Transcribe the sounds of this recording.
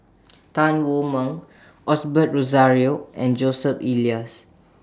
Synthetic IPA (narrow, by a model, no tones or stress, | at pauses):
tãnwumə̃n | ʔɔsbət̚ɹozaɹioɛ̃nd͡ʒosəpilias